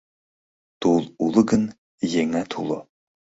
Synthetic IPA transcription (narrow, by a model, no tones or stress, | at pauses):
t̪ulˠulˠəɡən | jeŋæt̪ʰulˠɤ